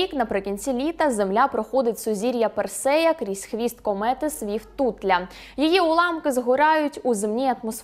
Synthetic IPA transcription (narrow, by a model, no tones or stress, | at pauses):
iknɐpɾɪkʲinʲt͡sʲilʲit̪ɐzemlʲapɾɔxɔd̪ɪtʲsʊzʲiɾʲjɐpersɛjɐkɾʲisʲxʋʲist̪kɔmɛt̪ɪsʋʲiwt̪ut̪lʲɐ | jijiʊlˠɑmkɪzɦʊɾɑjʊtʲuzɪmnʲiɐt̪mɔs